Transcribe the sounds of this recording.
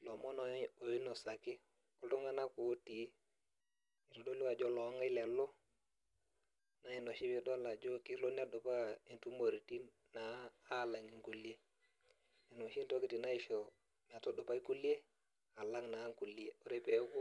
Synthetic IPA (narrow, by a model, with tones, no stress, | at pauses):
lo˨mɔ˦n˨˦o˨i˦no˨sa˨ki˦ | kɔ˨ltɔ˦ŋa˦na˦ko˨˦ti˨˦ | i˨tɔ˨do˦li˦wa˨d͡ʒɔ˦lɔ˨˦ŋa˦i˦lɛ˨lɔ˦ | na˦i˨no˨ʃi˦bi˦dɔ˦la˨d͡ʒo˦ki˦lo˦n˦a˦dɔ˨pa˦i˨ntu˦mo˨ɾi˨ti˦nːaː˨˦˨la˨ŋi˨ŋku˨li˦e˦ | i˨no˨ʃi˦nto˦ki˨ti˨na˦i˨ʃɔ˨ | m˨a˨tɔ˦do˨pa˦i˦ku˦li˦e˦ | a˨la˦ŋna˨˦ŋku˨li˦e˦o˨ɾe˦pe˨˦ku˦